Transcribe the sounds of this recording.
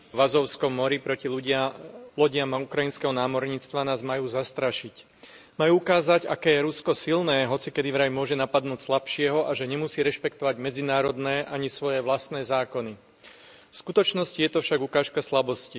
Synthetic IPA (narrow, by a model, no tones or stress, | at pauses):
ʋazɔʊskɔmːɔɾipɾɔciu | lɔɟɪamaukɾajinskɛɦɔnaːmɔɾɲiːt͡st̪ʋanaːzmajuːzast̪ɾaʃic | majuːukaːzaɟa̰kɛːjɛɾuskɔsilnɛːɦɔt͡sikɛd̪iʋɾajmʊɔʒɛnapad̪nuːcslapʃɪɛɦɔʔaʒɛɲɛmusiːɾɛʃpɛkt̪ɔʋaɟmɛd͡zinaːɾɔd̪nɛːʔaɲisʋɔjɛʋlast̪nɛːzaːkɔni | fskut̪ɔt͡ʃnɔscijɛt̪ɔfʃaɡukaːʃkaslabɔsci